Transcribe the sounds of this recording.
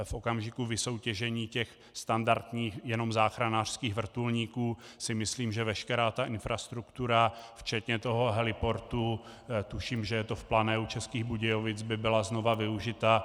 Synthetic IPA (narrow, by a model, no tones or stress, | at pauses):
fʔo̞kamʒɪkuvɪso̞wcɛʒɛɲiːcɛx | st̪andaɾt̪ɲiːxjɛno̞mzaːxɾanaːr̥skiːɣvr̩t̪ulɲiːkuː | sɪmɪsliːmʒɛvɛʃkɛɾaːt̪aʔɪnfɾast̪ɾukt̪uɾaft͡ʃɛt̪ɲɛt̪o̞ɦo̞ɦɛlɪpo̞ɾt̪u | t̪uʃiːmʒɛjɛt̪o̞fplanɛut͡ʃɛskiːɣbuɟɛjovɪt͡sbɪbɪlazno̞vavɪuʒɪt̪a